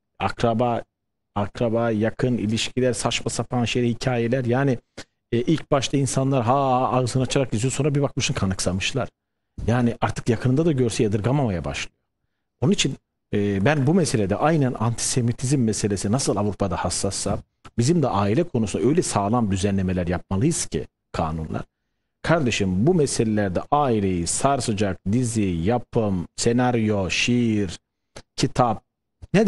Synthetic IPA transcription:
akɾaba | akɾabajakʰɯnḭlʲiʃcʰilʲæɾsat͡ʃmasapʰanʃejɾɛhicʰaːjelʲæɾjaːni | ʔilʲc̚baʃt̪ʰainsanlˠaɾɦaːaaɣɯzɯnɯat͡ʃʰaɾakizijoso̞nɾabibak̚mɯʃɯnkʰanɯksamɯʃlˠaɾ̥ | jaːniʔaɾt̪ʰɯ̥kjakʰɯnɯd̪ad̪aɟøɾsɛjad̪ɯɾɡamamajaba̰ʃlˠɯjo̞ | onunit͡ʃʰin | ɛːbænbumɛse̞lʲed̪ɛʔajnænant̪ʰi̥se̞mit̪ʰizimːɛse̞lʲesinasɯlˠavɾupʰad̪ahasːasːa | bizimd̪ɛʔaːilʲɛkʰo̞nusunaø̞jlʲɛsaːlˠand̪yzænlʲeme̞lʲæɾjap̚malˠɯjɯz̥cʰḭ | kʰaːnunlˠa̰ɾ̥ | kʰaɾd̪eʃimbumɛse̞lʲelʲæɾd̪ɛ̰ʔaːilʲejiz̥saɾsɯd͡ʒak̚d̪izijapʰɯmsenaɾjo̞ʃiɾ | cʰit̪ʰap̚ | nɛ

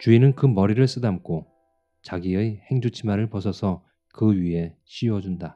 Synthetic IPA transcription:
t͡ɕuinɯnkɯmʌɾiɾɯɭs͈ɯdamk͈ʰo | t͡ɕaɡiɯjhe̞ŋd͡ʑut͡ɕʰimaɾɯɭpʌsʰʌsʰʌ | kɯɥiɦe̞ɕʰiwʌd͡ʑunda

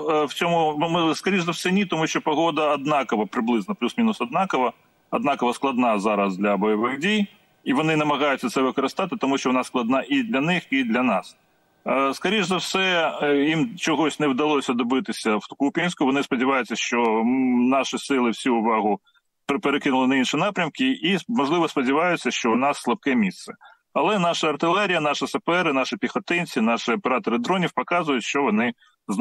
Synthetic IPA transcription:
wt͡sʲɔmʊmskɐɾʲiʒzɐwsɛnʲit̪ɔmuʃt͡ʃɔpɔɦɔd̪ɐːd̪nɑkɔʋɐpɾɪblˠɪznɔplʲusmʲinʊsɐd̪̚nɑkɔʋɐ | ɐd̪nɑkɔʋɐsklˠɐd̪nɑzɑɾɐsd̪ʲlʲɐbɔjɛʋɪxdʲij | iʋɔnɪnɐmɐɣɑjʊt͡sʲːɐt̪sɛʋɪkɔɾɪst̪ɑt̪ɪt̪ɔmuʃt͡ʃɔʋɔnɑsklˠɐd̪nɑʔid̪lʲɐnɪxid̪lʲɐnɑs | skɐɾʲiʒzɐwsɛjimt͡ʃɔɦɔsʲnɛwd̪ɐlˠɔsʲɐd̪ɔbɪt̪ɪsʲɐwkupʲinʲsʲkʊʋɔnɪspɔdʲiʋɑjʊt͡sʲːɐʃt͡ʃɔnɑʃisɪlˠɪwsʲuʊʋɑɦʊ | ppeɾekɪnʊlˠɪnɐinʃinɑpɾʲɐmkɪimɔʒlˠɪʋɔspɔdʲɪʋɑjʊt͡sʲːɐʃt͡ʃɔʊnɑsːlˠɐpkɛmʲist̪sɛ | ɐlˠɛn̪ɑʃɐːrt̪ɪlˠɛɾʲijɐnɑʃɪsɐpɛɾɪnɑʃɪpʲixɔt̪ɪnʲt͡sʲinɑʃɪɔpeɾɑt̪ɔɾɨɪd̪ɾɔnʲiwpɔkɑzʊjʊtʲʃt͡ʃɔʋɔnɪ | z

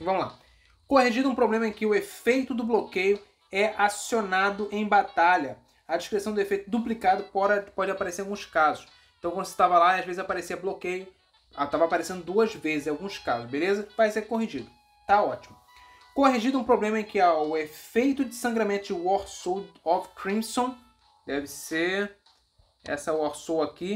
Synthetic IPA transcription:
vɐ̃mʊla̰ | kohiʒid̪ʊũpɾoblẽmɐẽkɪʊefejt̪ʊd̪ʊblokejʊ | ɛʔasionad̪ʊʔẽj̃bat̪aʎɐ | ɐd͡ʒiʃkɾesɐ̃w̃d̪ʊefejt̪ʊd̪uplikad̪ʊpɔɾpɔd͡ʒɪ̃apaɾeseɾawɡũskazʊʃ | ẽt̪ɐ̃w̃kwɐ̃d̪ʊse̥t̪avɐlaiɐʒvezɪzapaɾesiɐblokejʊ | at̪avɐaːpaɾesẽnd̪ʊd̪uɐzvezɪzẽawɡũskazʊʃbelezɐvajseɾkoɦiʒid̪ʊ | t̪aɔt͡ʃimʊ | koɦiʒid̪ʊũpɾoblẽmɐɛ̃kɪawefejt̪ʊd͡ʒɪsɐ̃ŋɡɾɐmẽnt̪ʊd͡ʒɪɔsowɔfkɾĩmsõ | d̪ɛvɪse | ɛ̰sɐɔɾsowaki

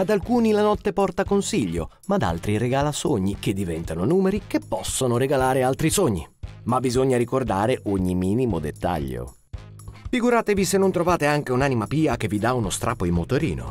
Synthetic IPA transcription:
ad̪alkuːnilanɔt̪ːepɔrt̪akonsiʎːo̰ | mad̪a̰lt̪ɾiɾeɡaːlasoɲːiked̪ːivɛnt̪anonuːmeɾik̟epːɔsːonoɾeɡalaːɾealt̪ɾisoɲːḭmabːizoɲːaɾikord̪aːɾeʔoɲːimiːnimod̪et̪ːa̰ʎːo̰ | fiɡuɾaːt̪evisenːont̪ɾovaːt̪eaŋk̟eunanimapiːak̟evːid̪aunost̪ɾʔaːpːoimːot̪oɾḭːno̰

